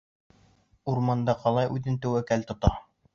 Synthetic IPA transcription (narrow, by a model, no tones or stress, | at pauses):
uɾmɑnd̪ɑqɑlˠɑjʔʉðɘnt̪æwækælt̪ŏt̪ɑ